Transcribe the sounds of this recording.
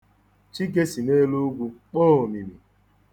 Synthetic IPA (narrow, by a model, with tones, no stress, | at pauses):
t͡ʃi˦ɡe˦si˨ne˦lu˦ɡʷu˦k͡poː˦˨o˨mi˨mi˨